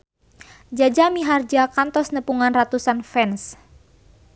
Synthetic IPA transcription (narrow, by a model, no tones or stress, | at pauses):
d͡ʒad͡ʒamiɦard͡ʒakant̪ɔsnəpuŋanrat̪usanfɛns